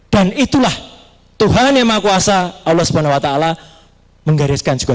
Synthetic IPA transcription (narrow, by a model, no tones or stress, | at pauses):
d̥anit̪ulah | t̪uɦanjamakuasaʔawlːɔhsəbanahwat̪aːla | məŋɡaɾɪskand͡ʒu̥ɡ̥a